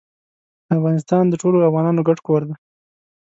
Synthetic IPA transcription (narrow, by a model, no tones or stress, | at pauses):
d̪əafɣɑnɪs̬t̪ɑnd̪əʈoloafɣɑnɑnoɡaʈkoɾd̪a